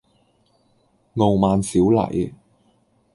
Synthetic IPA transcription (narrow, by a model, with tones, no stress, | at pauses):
ŋo˨wmaː˨nsiː˨˥wlɐ̰˨˩j